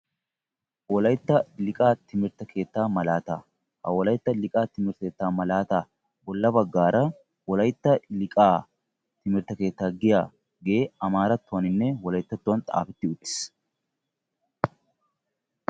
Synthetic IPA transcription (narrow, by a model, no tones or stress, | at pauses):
wɔlɐjt̪ːɐlɪkʼaːt̪ɪmɪɾt̪ɐkʰe̞ːt̪ːaːmɐlaːt̪a | hɐ̰wɔlɐjt̪ːɐlɪkʼaːt̪ɪmɪɾt̪eːt̪ːaːmɐlaːt̪aː | bɔlːɐbɐɡːaːɾɐ | wɔlɐjt̪ːɐlɪkʼaː | t̪ɪmɪɾt̪ɐke̞ːt̪ːaːɡɪjaː | ɡe̞ːɐmaːɾɐt̪ːʊɐnɪnːɛwɔlɐjt̪ːɐt̪ːʊwɐnt̪ʼa̰ːfɪt̪ːɪʊt̪ːɪ̥s